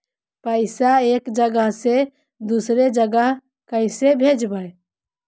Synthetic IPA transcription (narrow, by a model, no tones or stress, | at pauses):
pəɪsaeːkd͡ʒəɡəɦse | d̪usɾed͡ʒəɡəɦ | kəɪsebʱed͡ʒbʱə